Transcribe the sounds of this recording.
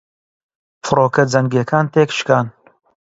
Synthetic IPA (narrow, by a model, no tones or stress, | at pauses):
fɨɾoːkɐd͡zɐŋɡeːkʰaːnt̪eːkʃkaːn